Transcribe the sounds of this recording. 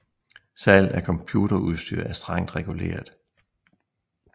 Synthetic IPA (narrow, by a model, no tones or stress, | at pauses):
sɛln̩æɐkʰɒ̽mpʰjuːɾ̥ɐuðˠsd̥yɐ̰æɐsd̥ʁɑ̈ŋ̰d̥ʁɛɡ̥ule̝̰ːɐð̩ˠ